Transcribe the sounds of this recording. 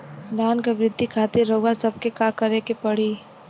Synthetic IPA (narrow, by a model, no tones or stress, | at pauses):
d̪aːnkaʋɾɪd̪ʱːikʰaːt̪ɪɾːɐuasɐb̚kekakɐɾekepɐɽ̤iː